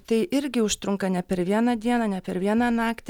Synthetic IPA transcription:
t̪ɐɪʔɪɾʲɡʲɪʊʃt̪ɾʊŋkɐnʲɛpʲɛɾʋʲiɛnɑːd̪ʲiɛnɑːnʲɛpʲɛɾʋʲiɛnɑːnɑːkt̪ʲ

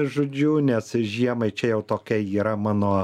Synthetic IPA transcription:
ʒʊd͡ʒʲuːnʲɛsʒʲiɛmɐɪt͡ʃʲɛjɛʊt̪oːkʲɛɪiːɾɐmɑːnoː

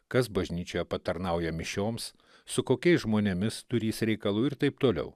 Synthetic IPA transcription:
kɐs̬bɐʒʲnʲiːt͡ʃʲoːjɛpɐt̪ɐɾnɐʊjɛmʲɪʃʲoːms | sʊkoːkʲɛɪsʒmoːnʲɛmʲɪst̪ʊɾʲiːsɾʲɛɪkɐlˠuːɪɾt̪ɐɪpt̪oːlʲɛ̰ʊ

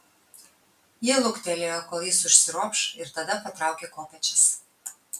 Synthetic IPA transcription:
jiɛlˠʊkt̪ʲɛlʲeːjokoːlˠjɪsʊʃʲsʲɪɾuɔpʃɪɾt̪ɐd̪ɐpɐt̪ɾɑˑʊkʲeːkoːpʲɛt͡ʃʲɪs

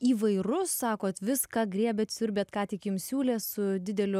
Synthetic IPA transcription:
iːʋɐɪrʊsːɑːkoːt̪ʋʲɪskɑːɡɾʲiɛbʲɛt̪sʲʊɾʲbʲeɛːt̪kɑːt̪ʲɪkjɪmsʲuːlʲeːsʊd̪ʲɪd̪ʲɛlʲʊ

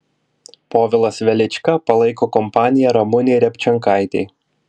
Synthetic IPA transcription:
poːʋʲɪlˠɐsʋʲɛlʲɪt͡ʃʲkɐpɐlˠɐɪkoːkɔmpɑːnʲɪjɛɾɔmʊnʲeɪɾʲɛpʲt͡ʃʲɛŋkɑˑɪt̪ʲɛɪ

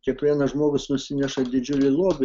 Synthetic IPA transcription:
kʲiɛkʋʲiɛnɐʒmoːɡʊsnʊsʲɪnʲɛʃɐd̪ʲɪd͡ʒʲʊlʲɪlˠoːbʲɪ

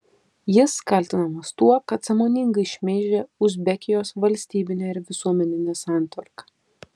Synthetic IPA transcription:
jɪskɐlʲt̪ʲɪnɐmɐst̪uɔkɐt̪sɐmoːnʲɪŋɡɐɪʃʲmʲeːʒʲeːʊʒʲbʲɛkʲɪjoːsʋɐlʲsʲt̪ʲiːbʲɪnʲɛːɪɾʋʲɪsuɔmʲɛnʲɪnʲɛsɑˑnʲt̪ʲʋɐɾkɐ

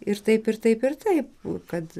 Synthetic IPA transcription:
ɪɾt̪ɐɪpɪrt̪ɐɪpɪrt̪ɐɪp̚kɐt̪

